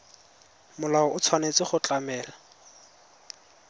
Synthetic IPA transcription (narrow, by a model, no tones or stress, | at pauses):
mʊlaɔʊt͡sʰwanet͡sɪχʊt͡ɬʼamɛːla